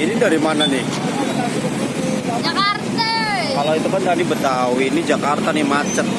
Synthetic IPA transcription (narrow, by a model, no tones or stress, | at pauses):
inidaɾimananɪh | akart̪a | alawit̪umənt̪adibət̪awinid͡ʒakart̪anɪmat͡ʃət̪̚